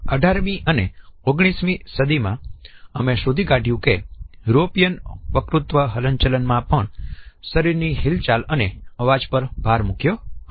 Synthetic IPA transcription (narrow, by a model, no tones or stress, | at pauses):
əɖʱaɾmĩʔəneoɡɽ̃ismĩsəd̪ʱimãəmeʃod̪ʱiɡaɖʱjũkeɾopijənʋəkɾut̪ʋəɦələɲt͡ʃələnmãpəɳsəɾiɾniɦilt͡ʃaləneəʋad͡ʒpəɾbʱaɾmukjo